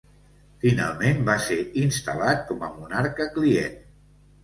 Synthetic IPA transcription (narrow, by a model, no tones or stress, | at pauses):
fina̰lˠmembaseɾinst̪əlat̪̚kɔməmunaɾkəkliḛn